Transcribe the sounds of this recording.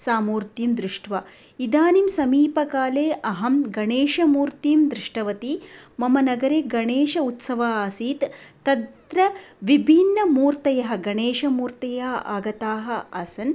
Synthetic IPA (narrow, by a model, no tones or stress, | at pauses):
saːmuːɾt̪jimd̪ɾɪʂʈʋɐ | id̪aːnimsɐmiːpɐkaːleːʔɐɦɐmɡɐɳeːʃɐmuːɾt̪iːmd̪ɾɪʂʈɐʋɐt̪imɐmɐnɐɡɐɾeːɡɐɳeːʃɐut̪sɐʋaaːsiːt̪t̪ɐd̪ɾɐʋibʱinːɐmuːɾt̪ɐjɐɦɐ̆ɡɐɳeːʃɐmuːɾt̪ɐjɐɦɐʔaːɡɐt̪aːɦɐ̆ɐsɐn